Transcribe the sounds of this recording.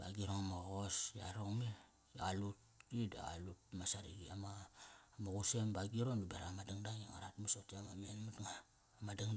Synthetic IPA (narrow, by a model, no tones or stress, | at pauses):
ba̰ɡiɾoŋamoɣosja̰ɾoŋme | alut | ida̰a̰lut̚masaɾḭɡiamamuɡusembaɡiɾondubeɾamadaŋdaŋaŋa̰ɾatmasotiamamenmatŋaː | madaŋ